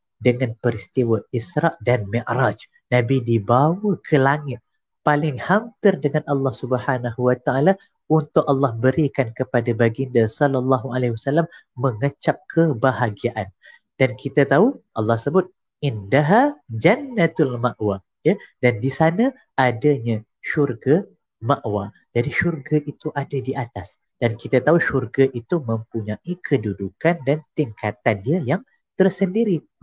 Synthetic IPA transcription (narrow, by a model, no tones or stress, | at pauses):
dəŋanpəɾist̪iwaisɾɑʔdanmiʔɾad͡ʒ | nabidibawəkʰəlaŋɪt̪̚ | palɪŋhampɪrdəŋanʔɑlːɑhsubəhanaɦuwat̪aʔala | unt̪ʊʔɑlːɑhbəɾikankəpadabaɡindasɔlalːɑɦualeiwasalːamːəŋət͡ʃap̚kʰəbaɦaɡiaʔan | d̥ankʰit̪at̪auʔɑlːɑhsəbʊt̪̚ | ʔindaɦad͡ʒanːat̪ʊlmaʔwa | jadandisanã | adaɲã | ʃurɡa | maʔwa | d͡ʒadiʃurɡaʔit̪uʔadadiʔat̪as | d̥ankit̪at̪auʃurɡaʔit̪umə̃mpuɲãʔikʰədudukandant̪iŋkat̪andiəjaŋ | t̪ərsəndiɾi